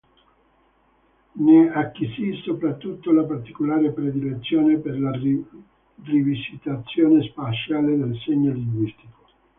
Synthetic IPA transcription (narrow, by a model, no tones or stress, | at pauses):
neakːisisopɾat̪ːut̪ːolapart̪ikolaːɾepɾed̪ilet̪sːjoːneperla | rivisit̪at̪sːjoːnespat͡ʃaːled̪elseɲːoliŋɡwist̪iko̥